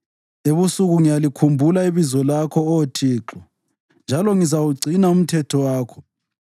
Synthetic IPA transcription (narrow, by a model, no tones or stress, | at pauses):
eβusuɣuŋijalikʰumbʱulaiβizɔlakʰɔotʰiːǁɔ | nd͡ʒʱalɔŋizawuɡ͡ǀʱinaum̩tʰɛtʰɔwaːkʰɔ̥